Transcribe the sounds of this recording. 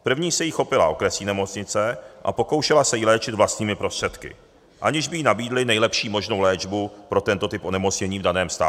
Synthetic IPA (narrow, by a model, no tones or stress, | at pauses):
pr̩vɲiːsɛjixo̞pɪla̰ʔokɾɛsiːnɛmo̞t͡sɲɪt͡sɛʔa̰po̞ko̞wʃɛlasɛjilɛːt͡ʃɪd̪vlast̪ɲiːmɪpɾo̞st̪r̥ɛt̪kɪ̰ | ʔaɲɪʒbɪjinabiːdlɪnɛjlɛpʃiːmo̞ʒno̞wlɛːd͡ʒbupɾo̞t̪ɛnt̪o̞t̪ɪpo̞nɛmo̞t͡sɲɛɲiːvdanɛːmst̪a̰ː